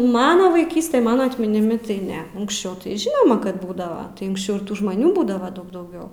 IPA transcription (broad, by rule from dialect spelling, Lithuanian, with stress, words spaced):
ˈmɑːnɐ ʋɐɪˈkʲiːsʲtʲɛ ˈmɑːnɐ ɐtʲmʲɪnʲɪˈmʲɪ tɐɪ ˈnʲɛ ʊŋksʲˈt͡ʃʲɛʊ tɐɪ ˈʒʲɪnoːmɐ ˈkɐt ˈbuːdɐʋɐ ʊŋksʲˈt͡ʃʲɛʊ ɪr ˈtuː ʒmɐˈnʲuː ˈbuːdɐʋɐ ˈdɐʊk dɐʊˈɡʲɛʊ